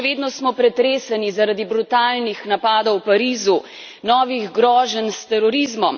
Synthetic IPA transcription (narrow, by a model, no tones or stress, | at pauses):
ɛʋeːd̪nɔsmɔpɾɛt̪ɾeːsanizaɾad̪ibɾut̪aːlnixnapaːd̪ɔwpaɾiːzu | nɔːʋiɣɡɾɔːʒənst̪ɛɾɔɾizmɔm